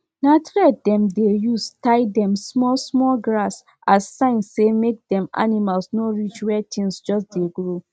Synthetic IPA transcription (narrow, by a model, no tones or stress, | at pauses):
natɹɛt̚dɛ̃mdejustaɪdɛ̃msmɔlsmɔlɡɹas | asːãɪ̃nːemek̚dɛ̃ma̰nimalsnoɹit͡ʃwɛtʰĩŋsd͡ʒɔsdeɡɹo